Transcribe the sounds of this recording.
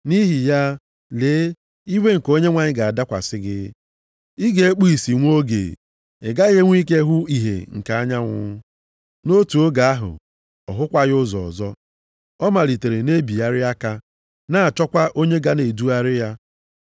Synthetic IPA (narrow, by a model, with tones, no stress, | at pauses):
ni˦ɦi˨ja˦ | leː˨˦ | i˦we˦ŋ̩˨ko˦ɲe˦ŋʷa˨ɲɪ˦ɡa˨a˨da˦kʷa̰˨sɪ˦ɡɪ˦ | i˦ɡe˨e˦k͡pu˦i˨si˨ŋʷ˦o˦ɡḛ˨ | ɪ̰˨ɡa˦ɣe˦ŋʷ˦i˦k̬e˦ɦʊ˦i˨ɦḛ˨ŋ̩˨ka˨a˦ɲa˦ŋʷʊ̰˦ | no˦tu˨o˦ɡa˨a˦ɦʊ̰˨ | ɔ˨ɦʊ˦kʷa˦ɣʊ˦zɔ̰˨ɔ˨zɔ˦ | ɔ˦ma˨li˨te˨ɾe˨ne˦bi˨a˦ɾɪ˦a˦ka˦ | na˦˨a˨t͡ʃɔ˦kʷa˦ʔo˦ɲe˦ɡa˦ne˨du˦a˦ɾɪ˦ja˦